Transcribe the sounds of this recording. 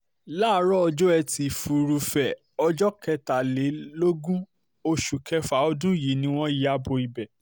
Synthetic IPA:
laː˦˨˦ɾɔ˦ɔ˧d͡ʒo˦ɛ˧ti˧fu˨ɾu˧fɛ˨ | ɔ˧d͡ʒɔ˦kɛ˧ta˨le˨˦lo˦ɡũ˦ | o˧ʃu˨kʰɛ˧fa˨˦ɔ˧dũ˦ji˨˦nĩ˦w̃ɔ̃˦ji˦a˦bo˧i˨bɛ˨

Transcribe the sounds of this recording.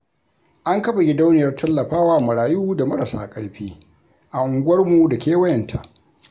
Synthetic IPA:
ʔa˦ŋkɐ˦ɸa˨ɡʲɪ˦da˦wnɪ˨jɐ˦rtʰɐ˦lːɐ˨ɸaː˦waː˦˨mʊ˨ɽaː˨juː˦da˨mɐ˦ɽa˨sa̰ː˨kʼɐ˦ɽɸiː˦ | ʔa˨ʔʊ˨ŋɡʷʊ˦wɐ˦rmu˨da˨kʲeː˦wɐ˦jɐ˨ntʰa̰˨ʔ

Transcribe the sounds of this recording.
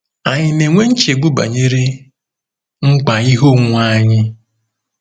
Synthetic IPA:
a˨ɲɪ˨ne˨ŋʷe˦n̩˦t͡ʃe˨ɡ͡bu˦ba̰˨ɲe˦ɾe˦ | ŋ͡m̩˦k͡pa˨i˦ɦo˦ŋ̩˦ŋʷaː˦ɲɪ˦

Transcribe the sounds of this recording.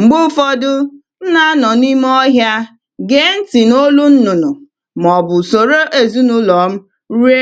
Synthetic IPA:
ŋ͡m̩˨ɡ͡bʊ˦fɔ˦dʊ˦ | n̩˦na˦nɔ˨ni˦m˦ɔ˦ɦja˦ | ɡe˦n̩˦ti˨no˦lu˦n̩˦nʊ˨nʊ˨ | m˨ɔ˨bʊ˨so˨ɾo˦ʔe˨zi˦nʊ˦lɔ˨˦m̩˦ | ɾi˦e˦

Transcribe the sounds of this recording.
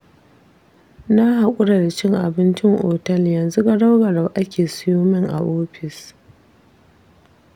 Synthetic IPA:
na˦ɦa˨kʷʼʊ˦ɽa˨da˨t͡ʃɪ˦ŋʔa˨bɪ˦nt͡ʃɪ˦ŋʔo̰ː˨tɐ˦ljɐ˨nzu˦ɡa˦da˦wɡɐ˨ɽa˨ʔa˦kʲeː˨sʊ˦joː˦mɪ˦ŋʔa̰˨ʔoː˦ɸɪ˨s

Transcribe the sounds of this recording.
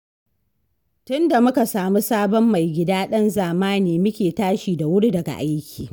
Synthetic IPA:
tʊ˦nda˨mʊ˦ka˨saː˨mu˦saː˦bɔ˦mːa˨jɡʲɪ˦daː˦ɗɐ˦nzaː˨maː˦neː˨mʊ˦kʲeː˨taː˦ʃiː˨da˨wʊ˦ɽi˦dɐ˨ɡa̰˨ʔa˦jkʲiː˨

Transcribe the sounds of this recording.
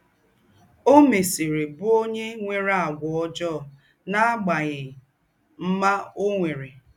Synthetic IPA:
o˦me˨se˨ɾe˨bʊ˦o˦ɲe˦ŋʷe˨ɾa˨ɡʷʊ˨ɔ˦d͡ʒɔ˦˨ | na˦a˦ɡ͡ba˨ɣɪ˨ | m̩˦ma˦o˦ŋʷe˨ɾe˨

